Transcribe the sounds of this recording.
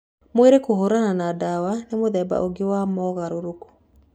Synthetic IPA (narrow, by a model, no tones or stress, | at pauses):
moeɾekoɦoɾananadawanemoðɛba̰ʔoɡewamɔɣaɾoɾoko̥